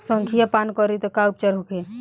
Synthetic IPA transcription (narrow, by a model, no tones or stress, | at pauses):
səŋkʰijapankɔɾit̪ɔkaup̚t͡ʃəɾɦukʰe